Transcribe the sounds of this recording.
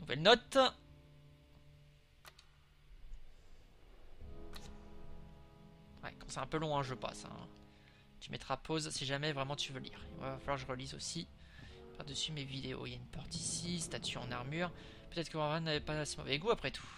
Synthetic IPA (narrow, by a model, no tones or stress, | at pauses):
nuvɛlnɔt̪ | wɛ̰kɑ̃sɛɛ̃pølɔ̃ɛ̃ʒəpa̰sɛ̰̃ | t̪ymʔɛt̪χapʰozsiʒamɛvʁɛmɑ̃t̪yvølḭːʁḭv̰vaafalwaʁʒəʁəlizo̰sipaʁd̪əsymevid̪eo̰iljaynpɔʁt̪isist̪at̪yɑ̃naʁmyʁ | pøt̪ɛt̪χkəvɔ̃ʁɛ̃navepasemɔ̰vɛɡuapχɛt̪ʰu̥